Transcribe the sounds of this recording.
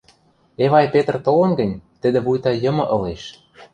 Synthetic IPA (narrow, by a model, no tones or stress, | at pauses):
eβɑjpet̪rt̪olɤ̆nɡə̆nʲt̪ə̆d̪ĕβujt̪ɑjɤ̆mɤ̆ʔɤ̆leʃ